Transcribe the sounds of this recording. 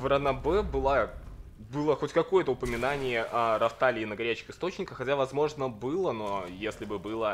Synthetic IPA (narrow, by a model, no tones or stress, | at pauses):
vɾɐnɐbɛbɨlˠa | bɨlˠəxo̞tʲkɐko̞jət̪əʊpəmʲɪnanʲɪjəʔɐɾɐft̪alʲɪːnəɡɐɾʲæt͡ɕɪ̥xɨst̪ot͡ɕnʲɪkəxːɐtʲavɐzmo̞ʐnəbɨlˠəno̞jesʲlʲɪbɨbɨlˠə